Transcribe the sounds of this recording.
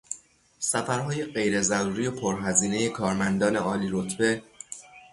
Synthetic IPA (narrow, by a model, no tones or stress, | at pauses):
sæfæɾɦɒːje̞ɢe̞jɾe̞zæɾuːɾiːjo̞pʰoɾɦæziːne̞je̞kʰɒːɾmænd̪ɒːne̞ɒːliːɾo̞t̪ʰbe̞